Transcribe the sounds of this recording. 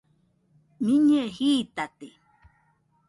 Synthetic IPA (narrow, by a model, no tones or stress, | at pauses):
miɲehiːt̪at̪e